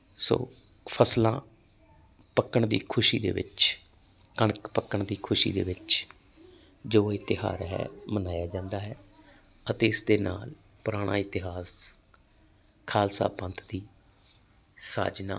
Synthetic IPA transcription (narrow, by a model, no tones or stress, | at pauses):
so̰ː | pʰəslãː | pəkːəɳd̪ḭːkʰʊʃiːd̪ḛːʋɪ̰t͡ʃ | kəɳəkpəkːəɳd̪iːkʰʊʃḭːd̪ḛːʋɪt͡ʃ | d͡ʒoːɪt̪ɪɦa̰ːɾɦɛ̰ːmənaːjaːd͡ʒãːnd̪aːɦɛː | ət̪eːɪsd̪eːnaːl | pʊɾaːɽ̃ʔã̰ːɪt̪ɪɦaːs | kʰaːlsa̰ːpə̃nt̪ʰd̪iː | sa̰ːd͡ʒna̰ː